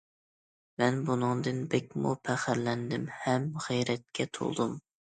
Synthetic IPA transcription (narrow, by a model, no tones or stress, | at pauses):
mɛnbunɨŋd̪ɨnbɛkʲmupʰæχæɾlɛnd̪ɪmhɛmʁijɾɛt̪̚kʲʰɛt̪ʰo̰lˠd̪um